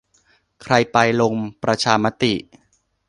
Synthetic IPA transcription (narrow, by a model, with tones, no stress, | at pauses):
kʰɾa˧jpa˧jlo˧ŋpɾa˧t͡ɕʰaː˧ma˦˥t̪i˨˩ʔ